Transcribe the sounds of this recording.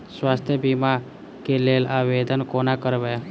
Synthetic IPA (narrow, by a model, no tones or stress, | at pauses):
swaːst̪ʰjəbima | keleːlaːʋeːd̪ənkoːnakəɾʋe